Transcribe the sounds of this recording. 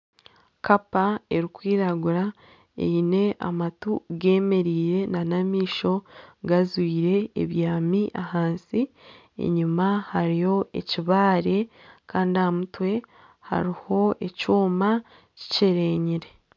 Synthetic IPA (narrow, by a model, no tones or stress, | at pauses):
kapae̞ɾikwiːɾaɡuɾa | ḛjine̞ʔa̰matuɡe̞ːme̞ɾiːɾe̞nanamiːʃo̞ɡazwiːɾe̞̰ːβjaːmiʔahaːnsi | ḛɲumahaɾijo̞e̞̰ciβaːɾe̞kʰaːndiamutwe̞ | ha̰ɾiho̞ecuːma | ci̥ce̞ɾeɲiɾe̞